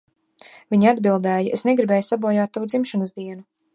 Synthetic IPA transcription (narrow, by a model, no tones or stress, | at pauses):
vʲiɲad̪bilˠd̪ɛːjiesneɡɾibɛːjusabuɔjaːt̪ːawud̪zimʃɔnəzd̪iɛnu